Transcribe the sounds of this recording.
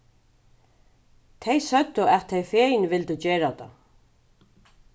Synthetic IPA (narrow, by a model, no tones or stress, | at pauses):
t̪ʰɛjsœt̪ːʏɛt̪ʰːɛjfeːjnʋɪlt̪ɪt͡ɕeːɹat̪a̰